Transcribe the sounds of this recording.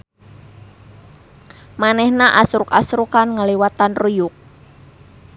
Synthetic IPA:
manɛhnaʔasɾʊkasɾukanŋəliwat̪anrujʊk̚

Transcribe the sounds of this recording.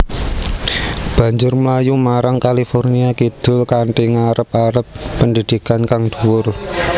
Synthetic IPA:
b̥ä̤ɲd͡ʒʊrməlajumaɾaŋkalifɔrniakid̪̥ʊ̤lkaɳʈiŋaɾəp̚aɾəpːəndid̪̥i̤kankaŋd̪̥ṳwʊr

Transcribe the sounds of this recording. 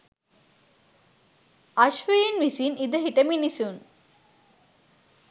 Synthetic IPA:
ɐʃʋəjenʋisinid̪əɦiʈəminisun

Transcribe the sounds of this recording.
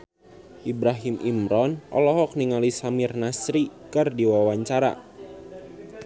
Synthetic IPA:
ʔibɾaɦimʔimɾɔnʔɔ̰lɔɦɔk̚niŋalisamɪrnasɾikɨrdiwawaɲt͡ʃaɾa̰

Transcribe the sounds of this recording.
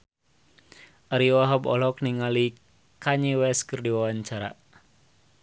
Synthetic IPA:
ʔaɾiwaɦabɔ̰lɔkniŋali | kaɲiwɛskɨrdiwawaɲt͡ʃaɾa̰

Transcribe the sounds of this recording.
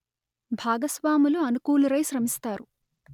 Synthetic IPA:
bʱaːɡɐsʋaːmuluɐnukuːluɾɐjʃɾɐmist̪aːɾu

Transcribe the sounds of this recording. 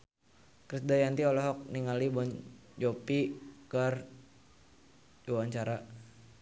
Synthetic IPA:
kɾisdajant̪iɔlɔɦɔk̚niŋalibɔnd͡ʒopikər | d͡ʒuwaɲt͡ʃaɾa

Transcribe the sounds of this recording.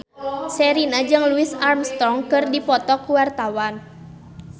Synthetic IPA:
sɛɾinad͡ʒɨŋluɪsarmst̪ɔŋkɨrdipɔt̪ɔkuwart̪awan

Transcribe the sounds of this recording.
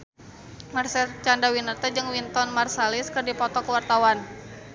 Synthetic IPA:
marsɛlt͡ʃandawinərt̪ad͡ʒɨŋwint̪ɔnmarsalɪskərdipɔt̪ɔkəwart̪awan

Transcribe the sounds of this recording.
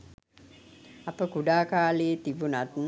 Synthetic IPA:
apəkuɖaːkaːleːt̪ibunat̪n

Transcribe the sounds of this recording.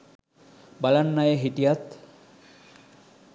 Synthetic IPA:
bɐlɐnːɐjeɦiʈ̪ijat̪

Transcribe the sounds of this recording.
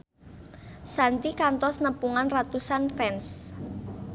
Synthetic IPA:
sant̪ikant̪ɔsnəpuŋanrat̪usanfɛns

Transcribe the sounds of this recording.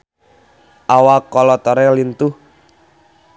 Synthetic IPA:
ʔawakɔlɔt̪ɔɾɛlint̪uh

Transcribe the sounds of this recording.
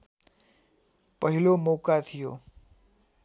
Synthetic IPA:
pʌɦilomokat̪ʰijo̰

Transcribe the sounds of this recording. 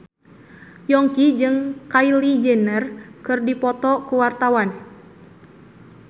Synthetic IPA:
jɔŋkid͡ʒɨŋkailid͡ʒɛnərkɨrdipɔt̪ɔkuwart̪awan

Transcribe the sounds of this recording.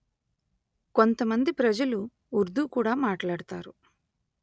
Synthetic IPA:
ko̞nt̪ɐmɐnd̪ipɾɐd͡ʒɐluː | ɾd̪ukuːɽaːmaːʈlaːɽɐt̪aːɾu

